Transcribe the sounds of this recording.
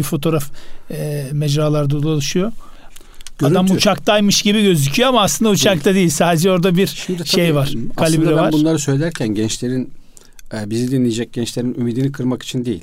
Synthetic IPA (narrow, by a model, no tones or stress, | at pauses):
ifo̞t̪ʰo̞ɾaf | mɛd͡ʒɾaːlˠaɾd̪alˠalˠɯʃujo̞ | aamut͡ʃʰakt̪aːjmɯʃɟibiɟø̞zycʰyjoamaːslˠɯnd̪aut͡ʃʰakt̪ʰad̪ejilʲsaːd̪ed͡ʒɛo̞ɾd̪abiɾʃimd̪ʃejvaɾ̥kʰalʲibɾɛvaɾbunnˠaɾɯsøjlʲeæɾcʰænɟɛnt͡ʃlʲe̞ɾin | ɛbizid̪inlʲijed͡ʒɛc̚ɟ̥ɛnt͡ʃlʲe̞ɾinymid̪inikʰɯɾmaki̥t͡ʃʰind̪ejḭlʲ